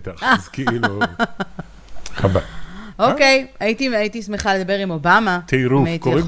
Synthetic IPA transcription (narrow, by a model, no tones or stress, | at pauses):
t̪aχzkiilu | habaʔokejajit̪iait̪ismeχaled̪abe̞ʁimo̞bamat̪ʰeɾuaitk̪oʁi